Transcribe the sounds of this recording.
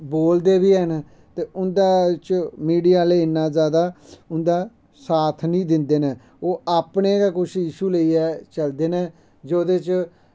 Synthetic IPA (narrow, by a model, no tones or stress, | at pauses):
boːld̪eːbiːɛːnː | t̪eːʔʊnd̪aːt͡ʃmiːɖijaːleːɪnːãːzjaːd̪aːʊnd̪aː | saːt̪ʰnĩːd̪ɪnd̪eːneː | oːaːpneːkaːkʊʃʰjiːʃuːləiːɛːt͡ʃəld̪eːnẽː | d͡ʒoːd̪eːt͡ʃ